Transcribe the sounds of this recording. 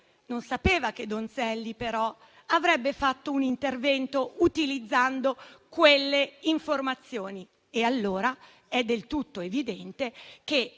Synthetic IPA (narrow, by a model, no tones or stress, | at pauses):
nonsapeːvaked̪ːonsɛlːipeɾɔ | avɾɛbːefat̪ːounint̪ervɛnt̪out̪ilid̪zːand̪okwelːeiɱformat̪sːjoːni | ealːoːɾa | ɛd̪ːelt̪ut̪ːoevid̪ɛnt̪eke